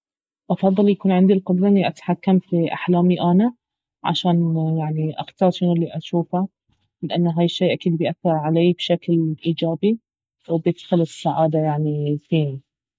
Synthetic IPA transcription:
ʔɑfɑðˤːɨljakuːnʕɪnd̪ilqʊd̪ɾˤɑʔɪnːiʔat̪ħakːamfiʔa̰ħlaːmiʔana | ʕa̰ʃaːnjaʕniʔa̰xt̪ɑːɾˤʃɪnʊlːiʔaʃuːfa | lɪʔanːɦaːjɪʃːeːʔakiːd̪̚bɪjʔaθːɑɾˤʕalaːbʃaklʔiːd͡ʒaːbi | wbjɪd̪̥xʊlɪsːaʕaːd̪ajaʕnifiːni

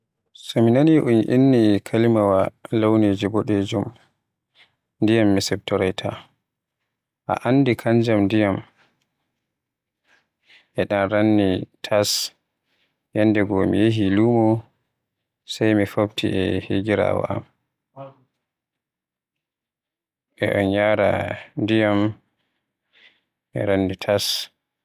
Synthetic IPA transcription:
sɔminaniʔunʔinːikʰalimawalawned͡ʒibɔɗed͡ʒum | ndijamːisɛb̚tɔɾajtʰa | ʔa̰ʔandikʰaɲd͡ʒamdijam | ʔɛɗanɾanːitʰas | jɛnːdɛɡɔmḭjeɦilumɔ | sajmifobtʰḭʔɛheɡiɾa̰wa̰ʔa̰m | ʔɛ̰ʔɔnjaːɾa̰ndijam | ʔɛ̰ɾanːitʰas

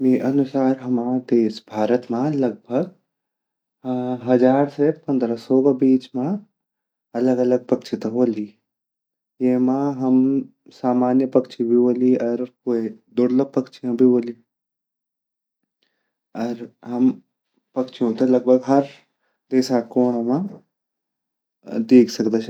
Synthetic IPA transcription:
miʔɐnʊsaːɾɦɐmaːd̪eːsbʱaːɾət̪mãlɐɡ̚bʱəɡ | ɦɐd͡ʒaːɾsepɐ̃nd̪ɾasɔːkabiːt͡ʃmã | ɐləɡɐləɡ̚pɐkt͡ʃʰit̪ɐɦoːli | jeɦmãɦɐm | saːmaːnjəpɐkt͡ʃʰibʱiboːliɔɾkoːid̪ʊɽləɡ̚pɐkt͡ʃʰijãbʱiboːli | ɐɾɦɐm | pɐkt͡ʃʰijõt̪elɐɡ̚bʱəɡɦɐɾ | d̪eːsakoːɽ̃mã | d̪eːkʰsɐkd̪et͡ʃʰ

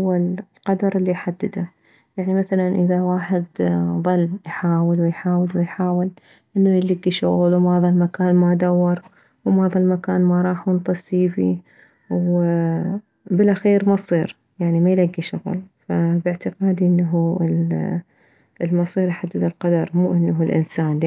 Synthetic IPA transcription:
wːallqɑd̪ɑɾˤɪlːiħad̪ːɪd̪a | jaʕnimaθalanʔɪðawaːħɪd̪ðˤɨlːjħaːwɪlwɪjħaːwɪlwɪjħaːwɪl | ʔɪnːujlaɡːiʃʊɣlwmɑðˤɑlmakaːnmad̪awːɑɾˤ | wmɑːðˤɑlmakaːnmaɾˤɑːħnt̪ˤɑsiːfḭ | w | bɪlʔaxiːɾmɑsˤiːɾ | jaʕnimajlaɡːiʃʊɣ̰lfabɪʕt̪ɪqɑːd̪ʔɪnːaɦul | lmɑsˤiːɾjħad̪ːɪd̪alqɑd̪ɑɾˤmuːʔɪnːaɦʊlʔɪ̰nsaːn

